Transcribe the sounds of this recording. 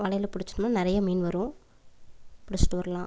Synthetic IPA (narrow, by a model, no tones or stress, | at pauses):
ʋɐɭɐjɪlɐpʊɽɪt͡ʃːɯnɯmnːaːnɪɾɐjɐmiːnʋɐɾʊ̃ | pʊɽɪt͡ʃːɪ̥ʈːɯʋɐɾɐlãː